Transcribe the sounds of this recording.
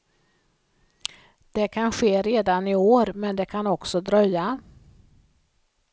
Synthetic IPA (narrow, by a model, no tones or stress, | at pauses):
d̪̥ɛkʰanɧeːɾeːd̪anɪoːɾmɛnd̪ɛkʰanɔksɔd̪ɾœjːa